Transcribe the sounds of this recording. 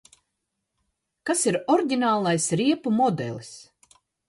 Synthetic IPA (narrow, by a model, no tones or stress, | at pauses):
kasiɾɔɾɟʲinaːlˠajsɾiɛpumɔd̪ɛ̰lˠs